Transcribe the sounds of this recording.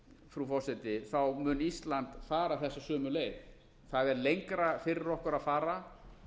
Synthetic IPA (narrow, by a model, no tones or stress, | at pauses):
fɾufɔ̥sɛt̪ɪθawmʏnist̪lant̪faːɾaθɛsːasœːmʏleːjɣ | θaðɛɾlejŋkɾafɪɾɪɾɔhkʏɾaðfaːɾa